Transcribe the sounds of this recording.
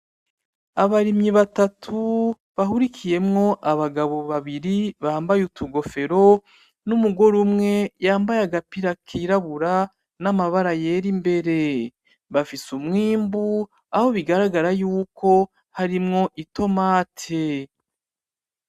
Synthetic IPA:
aβaɾimɲiβatatʰu | βaɦuɾikʰije̞mŋo̞ʔaβaɡaβo̞βaβiɾiβaːmbajutʰuɡo̞fe̞ɾo̞ | numuɡo̞ɾumŋe̞jaːmbajaɡapiɾakʰiɾaβuɾa | namaβaɾajeːɾimbe̞ɾe̞ | βafisumŋiːmbu | aho̞βiɡaɾaɡaɾajuːkʰo̞ | haɾimŋo̞ʔito̞maːtʰe

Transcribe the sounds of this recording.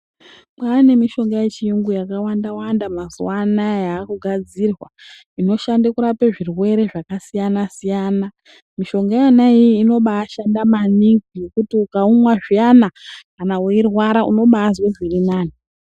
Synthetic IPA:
paːne̞miʃo̞ŋɡajet͡ʃiiŋɡujakawandawandamazuwanajaːkuɡʱad͡ziːrwa | ino̞ʃandekuɾapeʐirwe̞ɾe̞ʐakasijanasijaːna | miʃo̞ŋɡajanaiiːno̞ɓaːʃandamaniŋɡujekutiukaumwaʐijanakanauirwaɾaṵno̞ɓazwezirinaːni

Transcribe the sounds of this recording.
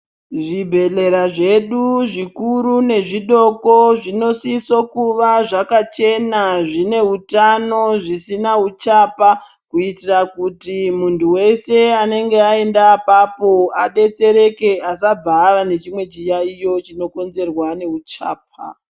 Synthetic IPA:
ʐibʱe̞ɮe̞ɾaʐe̞ɗuʐikuɾune̞ʐiɗo̞ko̞ʐino̞siso̞kuʋaʐakat͡ʃe̞naʐine̞utano̞ʐisinaut͡ʃapa | kuitirakutimuntuwe̞se̞ane̞ŋɡe̞ae̞ndapapo̞aɗe̞t͡se̞ɾe̞ke̞as̬ab͡vaʋane̞t͡ʃimwe̞t͡ʃijaijo̞t͡ʃino̞ko̞nze̞rwane̞ut͡ʃa̰ːp̚ʰa̰

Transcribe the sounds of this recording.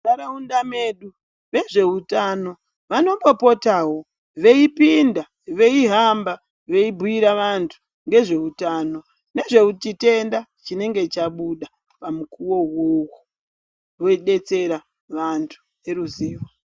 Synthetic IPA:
saɾaundame̞ɗu | ʋe̞ʐe̞utano̞ | ʋano̞ɓo̞po̞taːɦo̞ | ʋe̞ipinda | ʋe̞iɦamba | ʋe̞ibʱuiɾaʋantʰu̥ | ŋɡe̞ʐe̞utaːno̞ | ne̞ʐe̞ut͡ʃite̞ndat͡ʃine̞ŋɡe̞t͡ʃaɓuɗa | pamukuwo̞wowo | wo̞iɗe̞t͡se̞ɾa | ʋantʰu̥ | e̞ɾuziːmo

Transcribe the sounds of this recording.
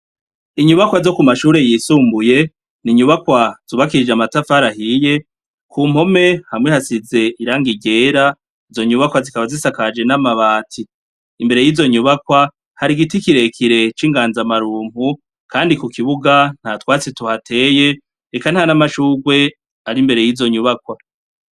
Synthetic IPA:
iɲuβakwazo̞kumaʃuːɾe̞jiːsuːmbuje̞ | niɲuβakwaz̥uːβakiɾid͡ʒamatafaɾahije̞ | kʰuːm̥ho̞me̞hamŋehasize̞ʔiɾaːŋɡiɟe̞ːɾa | izo̞ɲuβakwazikaβazisakad͡ʒe̞namaβaːtʰi | imbe̞ɾe̞jiːzo̞ɲuβakwa | haɾiɡitikiɾe̞kʰiɾe̞t͡ʃiːŋɡaːnzamaɾuːmhu | kaːndikukʰiβuɡan̥hatwaːt͡situhatʰe̞ːje̞ | ɾekan̥hanamaʃuːɡwe̞ | aɾimbe̞ɾe̞jiːzo̞ɲuβakwa

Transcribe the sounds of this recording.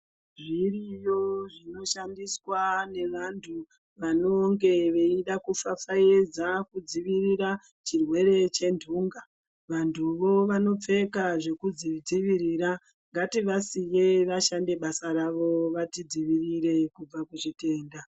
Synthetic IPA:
ʐirijoʐino̞ʃandiswane̞ʋantʰu | ʋano̞ŋɡe̞ʋe̞iɗakufafaed͡zakud͡ziʋiriɾa | t͡ʃirwe̞ɾe̞t͡ʃe̞ndʱuːŋɡa | ʋantʰuʋo̞ʋano̞p͡fe̞kaʐe̞kud͡zid͡ziʋiɾiːɾa | ŋɡatiʋasijeʋaʃande̞ɓasaɾaʋo̞ʋatid͡ziʋiriɾe̞kub͡vakuʐite̞ːnda

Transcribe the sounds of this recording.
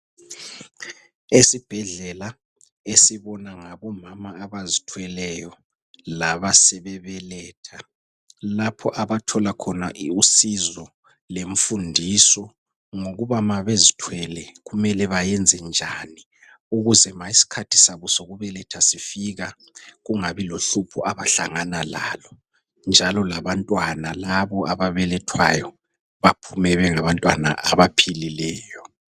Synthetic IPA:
esib̥ʱɛɮɛla | esiβɔnaŋaβɔmamaːβazitʰwɛlɛjɔ | laβasɛβɛβɛlɛːtʰa | lapʰɔʔaβatʰɔlakʰɔnaʔusizɔ | leɱ̩fundʱisɔ | ŋoɣuβamaβezitʰwɛlɛɣumɛlɛβajɛnd͡zʱɛnd͡ʒʱani | uɣuzɛmaisi̥kʰatʰi̥saβusoɣuβɛlɛtʰasifiɣa | ɣuŋaβiloɬupʰuaβaɬaŋanala̰ːlɔ | nd͡ʒʱalɔlaβantʼwanalaβɔʔaβaβɛlɛtʰwa̰jɔ | βapʰumɛβɛŋaβantʼwa̰na̰ʔaβapʰililɛːjɔ

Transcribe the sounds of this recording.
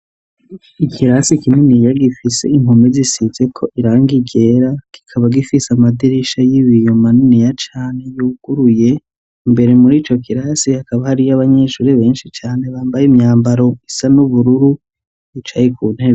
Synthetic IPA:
ikʰiɾasikininijaɡifise̞iŋ̥ɦomizisize̞kʰo̞ʔiɾaːŋɡiɟe̞ɾaki̥kʰaβaɡifisamadiɾiʃajiβijomaninijat͡ʃaːne̞juːɡ̥uɾuje̞ | mbe̞ɾe̞muɾiːt͡ʃo̞kiɾasihakaβahaɾijaβaɲe̞ʃuːɾeβe̞ːnʃit͡ʃaːne̞βaːmbajimɲaːmbaɾo̞isanuβuɾuɾu | it͡ʃajikuːn̥he̞βe

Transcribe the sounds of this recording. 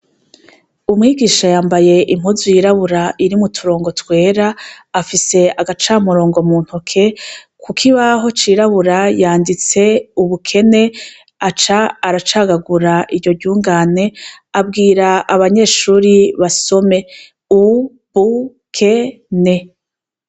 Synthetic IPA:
umŋiːɡiːʃajaːmbaje̞ʔim̥huzujiɾaβuɾaʔiɾimutʰuɾo̞ːŋɡo̞twe̞ːɾaː | fise̞aɡat͡ʃaːmuɾo̞ːŋɡo̞muːn̥hukʰe̞kʰukʰiβaɦo̞t͡ʃiɾaβuɾajaːndit͡se̞uβukʰe̞ne̞ | at͡ʃaːɾat͡ʃaːɡaɡuɾaʔiɾɟo̞ɟuːŋɡaːne̞ | abɡiːɾaaβaɲe̞ːʃuːɾiβaso̞me̞ | u | βu | kʰe̞ | ne̞

